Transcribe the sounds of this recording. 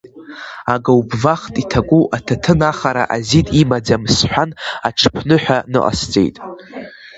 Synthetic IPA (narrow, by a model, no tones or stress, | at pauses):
aɡawbvaχtʼitʰaɡʷʼuʔatʰatʰɨnaχaɾa̰ʔazitʼimad͡zamsħʷᶣanaʈ͡ʂʰpʰnɨħʷᶣanɨ̰ʔʼa̰st͡sʼe̞̰jtʼ